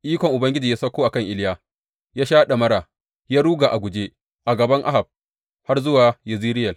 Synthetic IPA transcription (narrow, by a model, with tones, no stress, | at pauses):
ʔiː˦kʷɔ˨ŋʔʊ˨bɐ˦ŋɡʲɪ˦d͡ʒi˨jaː˦sɐ˦kʷːoː˦ʔa˨kɐ˦˨ŋʔɪ˦ljaː˦˨ | jaː˦ʃaː˦ɗa˨mɐ˦ɾaː˨ | jaː˦ɽuː˦ɡaː˨ʔa˨ɡʷʊ˨d͡ʒeː˦ | ʔa˨ɡɐ˨bɐ˦ŋʔa̰˦ɦa˨b̚ | ha˦rzʊ˦waː˨jɐ˨ziː˦ɾɪ˦jɐ˨